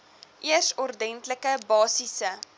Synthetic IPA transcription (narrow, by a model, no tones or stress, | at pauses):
ʔiəsɔrdɛntləkəbɑːsisə